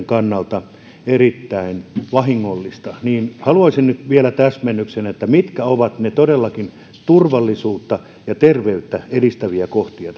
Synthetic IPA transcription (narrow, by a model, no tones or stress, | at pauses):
ŋkɑnːɑlt̪ɑ | erit̪ːæinʋɑhiŋːolːist̪ɑniːnhɑluɑisinnyt̪ʋielæt̪æsmenːyksenet̪ːæmit̪kæoʋɑt̪net̪odelːɑkin | t̪urʋɑlːisuːt̪ːɑ | jɑt̪erʋeyt̪ːæedist̪æʋiækoht̪iɑt̪ɑ